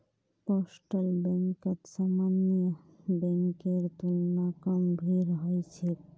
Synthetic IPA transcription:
posʈəlbɛ̃ŋkət̪samanjə | bẽŋkeɾt̪unnakəmbʱiɾɦɔjt͡ʃʰe

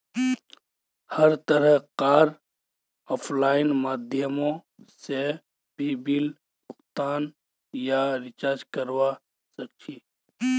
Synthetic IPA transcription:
həɾt̪əɾəɦqaːɾ | ɔːpʰlaːɪnmaːd̪ʱjəmõse | bʱibɪl | pʊxt̪aːn | jaɾɪt͡ʃaːɾd͡ʒkəɾwa | sɐk̚t͡ʃʰiː

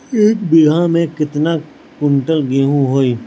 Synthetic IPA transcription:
eːk̚bɪɡʱãmẽkɪt̪naː | kʊ̃ɳʈəlɡeɦũɦoːiː

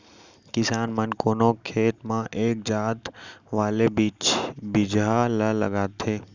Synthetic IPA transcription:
kɪsaːnmənkoːnõkʰeːt̪mãːʔeːk̚d͡ʒaːt̪ʋaːle | bɪd͡ʒalələ̰ɡaːt̪ʰeː

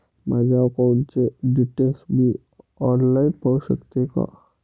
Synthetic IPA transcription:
mɛd͡ʒaːokaʊnseɖɪʈeːlsbʱi | ɔːnlaɪpəʊʃəkt̪eka̰

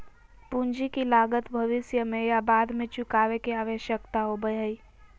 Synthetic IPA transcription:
pũɲd͡ʒikilaːɡət̪bʱɐʋɪsjəmẽjabaːd̪ʱmẽt͡ʃʊkaːʋekiaːʋeʃjəkt̪aɦobəjɦəi

